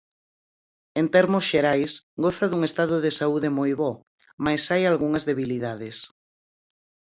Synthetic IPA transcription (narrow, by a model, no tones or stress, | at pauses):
ent̪ɛɾmʊsʃeɾajsɡɔθɐðuŋest̪aðʊðesauðemojβɔ | majsajalɣuŋɐzðeβiliðaðɪs